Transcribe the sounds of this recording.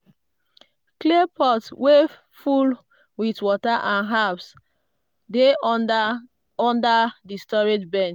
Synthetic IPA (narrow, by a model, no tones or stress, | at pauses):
klepʰɔtwe | ful | witwɔtaʔãnɦaps | de | ɔ̃ndadistɔɹed͡ʒbɛ̃nt͡ʃ